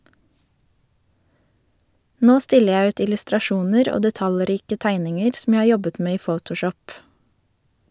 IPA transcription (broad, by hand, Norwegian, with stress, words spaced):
ˈnoː ˈstɪlə ˈjæ ˈʉːt ɪlʉstɾɑˈʃuːnəɾ ˈoː dɛˈtɑlˌɾiːkə ˈtæɪnɪŋəɾ sm̩ ˈjæ ˈhɑː ˈjɔbət ˈmeː ˈiː ˈfəʊtʊˌʃɔp